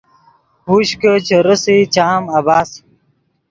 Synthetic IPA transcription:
huːɕkət͡ɕʰəɾəsit͡ɕaːmɐbaːs

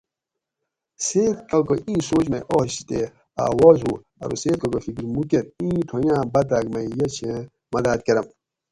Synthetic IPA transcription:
seːt̪kɐkoĩːsoːd͡ʑmeʔoɕt̪e | a̰ːwɔːzɦu | ɐ̰ɾṵseːt̪̚kɐkofikiɾmukeɾ̚ĩːt̪ʰojãːbɐd̪aɡmɐijɐt͡ɕʰẽ | mɐd̪aːt̪̚keɾɐm

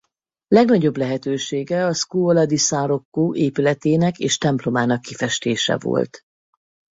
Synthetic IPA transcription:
lɛɡnɒɟo̞blɛɦɛt̪øːʃeːɡɛɒskuːolɒd̪isaːɾo̞kːoːʔeːpylɛt̪eːnɛkḛːʃt̪ɛmplo̞maːnɒkːifɛʃt̪eːʃɛ̰vo̰lt̪

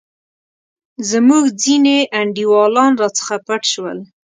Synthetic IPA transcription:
zəmuɡd͡zineʔaɳɖiwɑlɑnɾɑt͡sə̥xapaʈʃwə̰l

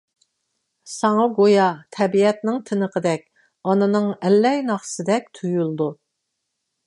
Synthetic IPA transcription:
sɑŋɑɡojɑt̪ʰɛbiɛt̪̚nɪŋt̪ʰɪnəqʰəd̪ɛk̚ʲ | ɑnɨnɨŋɛlːɛjnɑχsɨd̪ɛk̚ʲt̪ʰujulˠd̪u

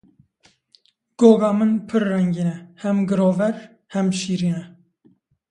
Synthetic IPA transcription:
ɡ̥oːɡɑːmɨnpʰɨɾːɛŋɡiːnɛhɛmɡɨɾoːvɛɾ | hɛmʃiːɾiːnɛ

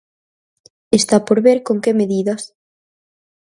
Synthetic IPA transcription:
est̪apoɾβeɾkoŋkemeðiðɐs

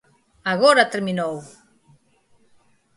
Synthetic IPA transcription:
aɣoɾat̪eɾminow

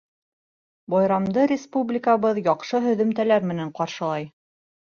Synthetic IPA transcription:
bɑjɾɑmd̪ɤɾʲɪspublʲɪkaβɤðjɑqʃɤɦɵ̆ðɵ̆mt̪ælæɾmɘ̆næɴqɑɾʃɤ̆lˠɑj

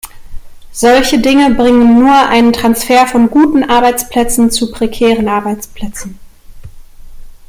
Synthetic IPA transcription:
z̥ɔlçədɪŋəbʁɪŋənːuːɐʔa̰ɪnəntʁ̥ansfɛːɐfɔnɡuːtn̩ʔaɐbaɪt͡spl̥ɛt͡sn̩t͡supʁ̥ekʰɛːʁənʔaɐbaɪt͡spl̥ɛt͡sn̩

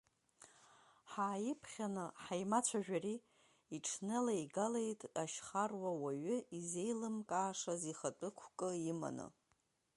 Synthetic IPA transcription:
ħaːjɪpʰχʲanɨħajmat͡ɕʷʰaʒᶣari | iʈ͡ʂʰnɨlajɡalejtʼaʃχarwawaɥʏize̞jlɨmkʼaːʂaziχat͡pʼɨkʷʰkʼɨima̰nɨ̰

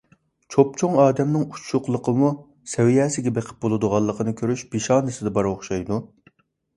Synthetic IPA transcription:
t͡ʃʰopt͡ʃʰoŋɑːd̪ɛmnɪŋut͡ʃʰːʊqlˠəqʰəmu | sɛwijɛːsɪɡʲɛbeqʰə̥p̚bolˠud̪ʊʁɑlˠːəqʰənɨkʲʰøɾyʃbiʃɑːnɨsɪd̪ɛbɑɾoχʃɑjd̪u

